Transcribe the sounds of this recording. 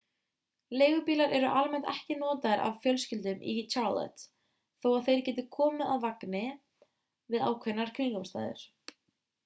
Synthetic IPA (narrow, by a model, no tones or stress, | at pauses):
leːjɣʏpiːlaɾʔɛɾʏʔalmɛn̥t̪ɛhcɪnɔːt̪aɾa̰vfjœlscɪlt̪ʏmʔḭt͡ʃʰaɾlɛ̰t̪ | θowaðθejɾ̥cɛːt̪ɪkʰɔːmɪaðvaknɪ | vɪða̰ːwkʰvɛnːaɾ̥kʰʏnkɔmst̪a̰ːjðʏ̰ɾ̥